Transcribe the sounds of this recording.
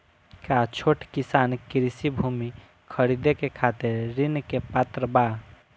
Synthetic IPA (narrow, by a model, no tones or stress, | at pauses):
kat͡ʃʰoʈkɪsaːnkɪɾisibʱumi | kʰəɾid̪ekekʰat̪eɾɾɪnkepat̪ɾəba